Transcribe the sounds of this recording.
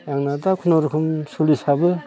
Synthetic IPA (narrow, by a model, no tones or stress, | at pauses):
jaŋnadakʰunoɾukʰɯmsulisabɯ